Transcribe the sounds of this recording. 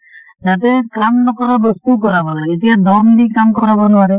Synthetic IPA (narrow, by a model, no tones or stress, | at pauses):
d͡ʒat̪̬ɛkamnɔkɔɾɔbɔst̪ukɔɾabalaet̪ikad̪ɔmdikamkɔɾabɔnɔaɾɛ